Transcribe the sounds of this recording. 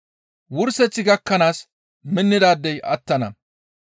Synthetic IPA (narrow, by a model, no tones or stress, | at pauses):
wʊɾsɛt͡sːɪɡɐkːɐnaːs | mɪnːɪd̪aːd̪ːɛjʔɐt̪ːɐnɐ